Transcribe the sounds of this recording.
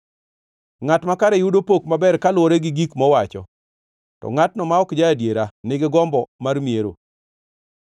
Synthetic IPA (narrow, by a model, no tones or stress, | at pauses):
ŋatmakaɾejudopokmabɛrkalwoɾeɡɪɡikmɔwat͡ʃɔ | tɔ̰ŋatnɔmaɔkd͡ʒaːdjeɾanɪɡɪɡɔmbɔmarmjeɾo̰